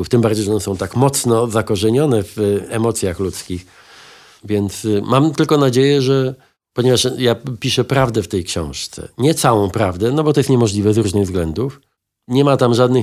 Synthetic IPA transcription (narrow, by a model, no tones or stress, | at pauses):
uft̪ɘmbaɾd͡ʑejʐɛɔnɛsɔ̃w̃t̪akmɔt̪snɔzakɔʐɛɲɔnɛvɛmɔt̪sʲjaxlut̪skʲix | vʲjɛnt̪smamt̪ɘlkɔnad͡ʑejɛʐɛ | pɔɲɛvaʂjapʲiʂɛpɾavd̪ɛft̪ɛjkɕɔ̰̃w̃ʂt̪sɛ̰ɲɛt̪sawɔ̃w̃pɾavd̪ɛnɔbɔt̪ɔjɛst̪ɲɛmɔʐlʲivɛzɾuʐnɘɣzɡlɛnd̪uf | ɲɛmat̪amʐad̪nɘ